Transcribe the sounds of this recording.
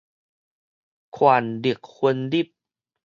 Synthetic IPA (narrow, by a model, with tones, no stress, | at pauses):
kʰwaː˨˩ndi˨˩ək̚xʰu˧əndi˦˥˩p̚